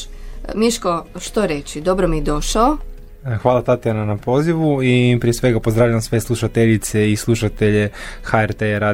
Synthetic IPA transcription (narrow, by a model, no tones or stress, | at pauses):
miʃkoʃt̪oɾet͡ʃid̪o̞bɾomied̪o̞ʃao | xʋaːlˠat̪at̪iananapo̞ːziʋuipɾije̞sʋe̞ɡapo̞zd̪ɾaːʋʎaʋamsʋeslˠuʃat̪eʎit̪se̞islˠuʃat̪e̞ʎe̞xaeɾt̪eɾaː